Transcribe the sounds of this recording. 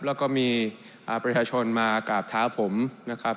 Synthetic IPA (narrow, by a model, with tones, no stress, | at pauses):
p̚lɛː˦˥wkɔː˥˩miː˧ | ʔaː˨˩pɾa˧t͡ɕʰaː˧t͡ɕʰo˧nmaː˧kaː˨˩p̚t̪ʰaː˦˥˩pʰo˩˦mna˦˥kʰɾa˦˥p̚